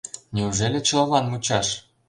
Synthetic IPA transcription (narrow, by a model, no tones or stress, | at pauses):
nʲeuʐelʲɘ̆t͡ɕɤ̆lɑnmut͡ɕɑʂ